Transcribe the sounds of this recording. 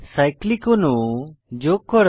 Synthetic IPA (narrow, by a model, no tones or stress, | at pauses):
saɪklikonũd͡ʑoːkəɾ